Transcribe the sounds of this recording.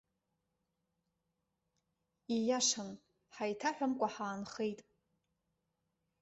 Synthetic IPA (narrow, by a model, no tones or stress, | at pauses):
ijaʂan | ħajtʰaħʷᶣamkʷʼaħaːnχejtʼ